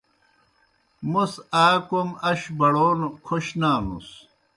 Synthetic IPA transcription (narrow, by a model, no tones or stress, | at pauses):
musaːkomɐɕbɐɽoːnokʰoɕnaːnṵs